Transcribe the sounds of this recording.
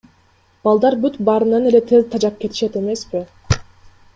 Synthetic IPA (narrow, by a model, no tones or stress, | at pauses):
b̥ɑlˠd̪ɑɾbyt̪bɑɾɯnɑne̞le̞t̪ʰe̞zt̪ʰɑd͡ʒɑp̚ke̞t̪ʰi̥ʃe̞t̪e̞me̞spi